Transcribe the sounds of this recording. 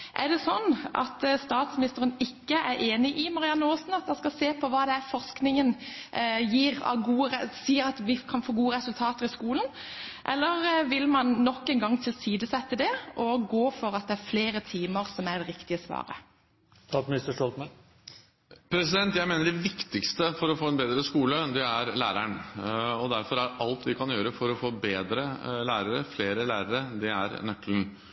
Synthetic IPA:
ʔæɖɛsɔnːʔɑ̰t̪st̪ɑːt̪smɪnɪst̪əɾənɪkːəʔæɾeːnɪʔɪmɑɾɪɑnːəoːsn̩ɑt̪d̪ɑskɑlseːpʰɔʋɑːd̪ɛæɾfɔʁsknɪŋən | jiːʁɑ̰ɡuːəʁɛsiːəɾɑt̪ʋɪkʰɑnfoːɡuːəʁɛsʉlt̪ʰɑːt̪əʁɪskuːln̩ | ʔɛlːəʁʋɪlmɑnnɔkːɛnɡɑŋːt̪ʰɪlsiːd̪əsɛt̪ːəd̪ɛʔɔɡoːfɔɾɑt̪̚d̪ɛæɾfleːɾət̪ʰiːməɾsɔmæd̪ɛɾɪkt̪ɪəsʋɑ̰ːɾə̰ | t̪ʰɑkmɪnɪst̪əʂʈɔlt̪mɑ | pʰɾɛsɪd̪ɛnt̪jæɪmeːnəɖɛʋɪkt̪ɪkst̪əfɔɾɔfoːɛnbeːd̪ɾəskuːləd̪ɛæɾlæ̰ːɾæɳɔd̪æɾfɔɾæɾɑlt̪ʋɪkʰɑnjøːɾəfɔɾɔfoːbeːd̪ɾəlæːɾəɾəfleːɾəlæːɾəɾəd̪ɛæɾnœkln̩

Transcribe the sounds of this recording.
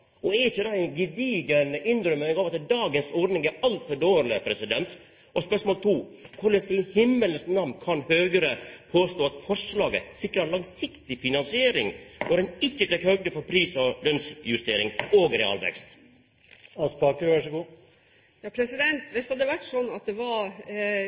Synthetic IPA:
ɔɛɾɪçːəd̪ɑɛnɡɪd̪iːɡənɪnd̪ɾʏmːəɡɑʋɑt̪d̪ɑːɡənsɔɖ̪nɪŋɛɑlt̪fɔɖoːɾlɪpʰɾɛsɪd̪ɛnt̪ | ʔɔspœʂmoːlt̪ʰuːkʰʊlɛsɪnhɪmːələsnɑmnkʰɑnhøːɡəɾəpʰoːst̪oːɑt̪fɔʂlɑːɡə̰sɪkɾəlɑŋsɪkt̪ɪfɪnɑnsɪeːɾɪŋnɔɾɛnɪçːət̪ʰɛkhœɡlɪfɔɾpʰɾiːsɔlœnsjʉst̪eːɾɪŋoːɡɾɛɑ̰ːlʋɛ̰kst̪ | ɑspɑːkəɾʋæʂəɡuː | jɑːpʰɾɛsɪd̪ɛnt̪ʋɪst̪ɑd̪ɛʋæʈːsɔnːɑt̪̚d̪ɛʋɑɾ

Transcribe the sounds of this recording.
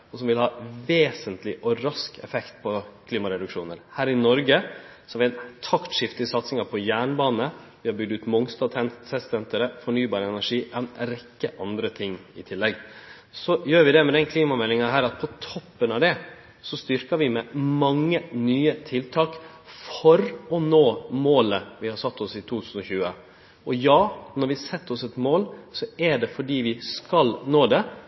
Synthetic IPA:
ɔsɔmʋɪlhɑːʋeːsənt̪lɪʔɔɾɑskɛ̰fɛkt̪pʰɔkʰliːmɑɾɛd̪ʉkʂuːnəɾhæːɾɪnɔɾɡəsɔɑʋɪɛnt̪ʰɑkt̪ʂɪft̪ɪsɑt̪sɪŋɑpʰɔjæːɳbɑːnəʋɪhɑɾbʏɡ̚d̪ʉːt̪mɔŋst̪ɑt̪ʰɛnsɛsɛnt̪əɾəfɔɳyːbɑːɾəɛnæʂiːʔɛnɾɛkːəʔɑnd̪ɾət̪ʰɪŋːɪt̪ʰɪlːɛɡ | sɔjøːɾʋɪd̪ɛmɛd̪ɛnkʰliːmɑmɛlːɪŋɑɦæːɾɑt̪̚pʰɔt̪ʰɔpːənɑʋd̪ɛ | sɔst̪ʏɾkɑɾʋɪmɛmɑŋːənyːət̪ʰɪlt̪ʰɑːk | fɔɾɔnoːmoːləʋɪhɑɾsɑt̪ːɔsɪt̪ʰuːt̪ʰʉːsən̩ɔçʉːə | ʔɔjɑːnɔɾʋɪsɛt̪ːɔsɛt̪moːlsɔɛɖɛfɔɖiːʋɪskɑlnoːd̪ɛ

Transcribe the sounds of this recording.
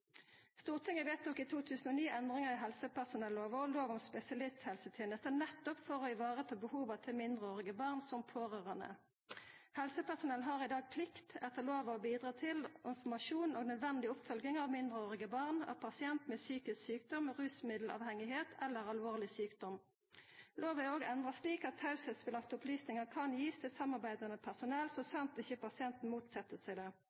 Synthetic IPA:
st̪uːʁt̪ʰɪŋːəʋeːt̪̚nɔkːɪt̪ʰuːt̪ʰʉːsən̩oːniːʔɛnd̪ʁɪŋəʁɪɦɛlsəpæʁsʊnɛlːoːʋəloːʋʊmspɛsɪɑlɪst̪hɛlsət̪ʰeːnəst̪ənɛt̪ːɔpfɔʁɔɪʋɑːʁət̪ʰɑːbəhuːʋɑt̪ʰɪlmɪnd̪ʁəoːʁɪɡəbɑʁnsɔmpʰoːʁøːʁənə̰ | hɛlsəpæʁsʊnɛlnɦɑːʁɪd̪ɑːɡ̚pʰlɪkt̪ɛt̪ʰəloːʋəɔbiːd̪ʁɑːt̪ʰɪlʔɪnfɔmɑʃuːnoːɡnœd̪ʋɛnd̪ɪʊpfœlɡ̪ɪŋɑʋmɪnd̪ʁəoːʁɪɡəbɑʁnɑ̰pʰɑsɪɛnt̪meːsyːkɪsksyːkd̪ɔmʁʉːsmɪd̪l̩ʔɑ̰ːʋhɛŋɪheːt̪ʰɛlːəʁɑlʋoːʁlɪsyːkd̪ɔm | loːʋæoːɡɛnd̪ʁɑsliːkɑt̪hɑʉsəsʋɪlɑkt̪ʊplyːsnɪŋɑkʰɑnjiːsəsɑmːɑʁbæɪd̪ɑnəpʰæʁsʊnɛlsɔsɑmt̪ɪçəpɑsɪɛnt̪n̩muːt̪sɛt̪ːəsæɪd̪ɛ

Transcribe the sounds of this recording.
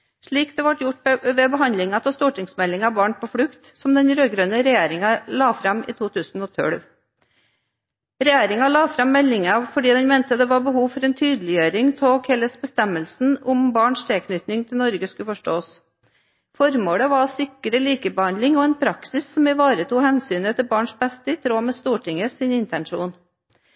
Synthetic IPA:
ʂɭiːkd̪ɛʋɑʈjʊʈʋɛbəɦɑnd̪lɪŋɑt̪ʰɛst̪uːʈɪŋsmɛlɪŋɑʋbɑːɳpʰɔfɽʉkt̪sɔmd̪ɛnɾøːɡɾœnəɾɛjeːɾɪŋɑlɑːfɾɑmɪ̰ːt̪ʰuːt̪ʰʉːsn̩ɔt̪ʰœ̰ɽʋ | ɾɛjeːɾɪŋɑlɑːfɾɑmːɛlːɪŋɑfɔɖiːd̪ɛnmɛnt̪əd̪ɛʋɑɾbəhuːʋfɔɾɛːnt̪ʰyːd̪əlɪjøːɾɪŋt̪ʰɔkʰɛləsbəst̪ɛmːəlsn̩ʊmbɑːɳʂt̪ʰɛːkʰnʏt̪nɪŋt̪ʰɪlnɔɾɡəskʉfɔʂʈoːs | fɔɾmoːɽəʋɑsɪkɾəliːkəbəhɑnd̪lɪŋɔɛːnpʰɾɑksɪsːɔmɪʋɑːɾət̪uːhɛnsyːnət̪ʰɪbɑːɳʂbɛst̪əɪt̪ʰɾoːmeːst̪uːʈʰɪŋəsɪnɪnt̪ɛnʂuːn

